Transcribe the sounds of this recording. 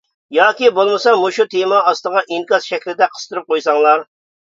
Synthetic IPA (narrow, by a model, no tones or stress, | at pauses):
jɑːkʲibolˠmɨsɑmuʃut̪ʰemɑːst̪əʁɑʔiŋkɑzʃɛkʲlɪd̪ɛqʰə̥st̪ʰɨɾɨp̚qojsɑŋlˠɑɾ